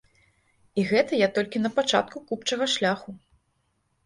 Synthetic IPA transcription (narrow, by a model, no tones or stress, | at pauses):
iɣɛt̪ɐjat̪ɔlʲkʲinɐpat͡ʂa̰t̪kukupt͡ʂɐɣɐʂlʲaxu